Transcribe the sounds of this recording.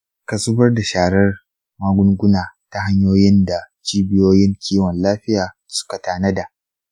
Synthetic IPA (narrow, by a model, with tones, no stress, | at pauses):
kɐ˨sʊ˦bɐ˦rda˨ʃaː˨ɽɐ˦r | maː˦ɡʷʊ˦ŋɡʷʊ˦naː˨ta˦ɦa˦ɲjoː˦jɪ˦nda˨t͡ʃiː˦bɪ˦joː˦jɪ˦ŋkʲʰiː˦wɐ˨nlaː˦ɸɪ˦jaː˨ | sʊ̥˦ka˨taː˨nɐ˦da˨